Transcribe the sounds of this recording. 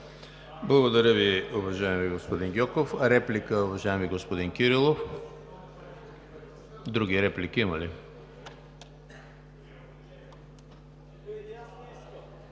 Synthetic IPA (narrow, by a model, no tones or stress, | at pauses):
blˠɐɡod̪ɐɾəviʊvɐʒaɛmiɡospod̪inɡʲɔkofɾɛplikəʊvɐʒaɛmiɡospod̪inkiɾilˠof | d̪ɾuɡiɾɛplikiimɐli